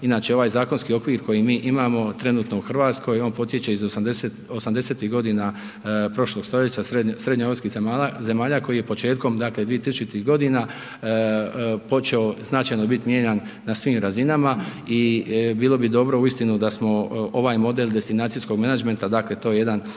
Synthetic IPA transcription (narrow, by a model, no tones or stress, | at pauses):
inaːt͡ʃeo̞ʋaːjzaːkonskio̞kʋiːɾko̞jimiːʔimaːmo̞t̪ɾe̞nuːt̪nouxr̩ʋaːt̪sko̞jo̞ːnpo̞t̪je̞t͡ɕe̞izosd̪esetosamd̪eset̪iɦɡo̞d̪ina | pɾo̞ʃlˠo̞ɡ̥st̪o̞ʎet͡ɕasesɾe̞d̪ɲaoskize̞maːʎako̞jije̞po̞t͡ʃe̞ːt̪ko̞md̪akled̪ʋije̞t̪isut͡ʃit̪iɦɡo̞d̪ina | po̞t͡ʃeo̞znat͡ʃajno̞bit̪mjeɲanːasʋiːmɾazinamaibiːlˠo̞bid̪o̞bɾo̞uist̪inud̪asmo̞o̞ʋaːjmo̞d̪elˠd̪e̞st̪inaːt̪sijsko̞ɡmenad͡ʒment̪ad̪akle̞t̪o̞jejed̪an